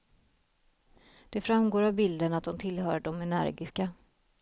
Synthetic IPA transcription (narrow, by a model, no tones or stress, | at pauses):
d̪̥ɛfɾamɡoːɾavbɪld̪ənat̪̚d̪ɔmt̪ʰɪlhœːɾɖɔmɛnæ̰ɾɡɪska